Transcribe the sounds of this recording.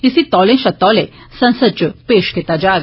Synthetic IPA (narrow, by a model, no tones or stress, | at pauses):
isit̪ɔlẽʃɐt̪ɔle | sə̃nsəd̪̚t͡ɕəpeːʃket̪ad͡ʑaɡ